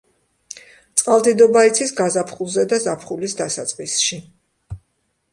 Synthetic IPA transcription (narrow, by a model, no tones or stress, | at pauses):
t̪sʼqʼalˠd̪id̪ɔbait̪sʰisɡazapʰχulˠzɛd̪azapʰχulisd̪asat̪sʼqʼisʃi